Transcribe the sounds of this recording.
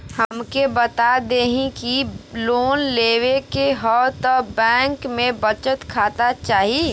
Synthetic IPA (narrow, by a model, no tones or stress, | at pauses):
həmkebət̪ad̪eːɦĩkiloːnleːwekeɦɔt̪ɔbɛ̃ːŋkmẽbət͡ʃət̪kʰaːt̪at͡ʃaːɦi